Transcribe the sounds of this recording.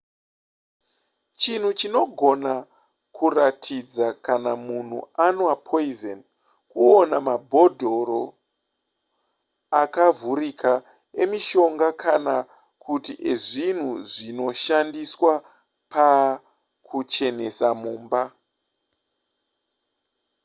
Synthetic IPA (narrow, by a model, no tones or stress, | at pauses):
t͡ʃin̤ut͡ʃino̞ɡʱo̞na | kuratʰid͡zakanamun̤ṵanoapʰoizen | kuonamabʱo̞dʱo̞ɾo̞ | akavurikʰa | emiʃo̞ŋɡakʰana | kʰutiʔeʐin̤uʐino̞ʃandiswa | pa | kʰut͡ʃe̞ne̞samuːmba